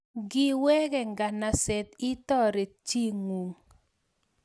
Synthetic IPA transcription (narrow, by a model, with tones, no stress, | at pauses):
ɡɪ˦wɛ˦ɡɛ˨ŋɡa˨na˨sɛ˨t̪i˦t̪ɔ˦ɾe˨t͡ʃi˦ŋwu˨ŋ